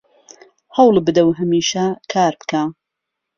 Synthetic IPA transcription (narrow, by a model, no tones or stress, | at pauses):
hɐwlbɨd̪ɐwɦɐmiːʃɐkʰaːɾbka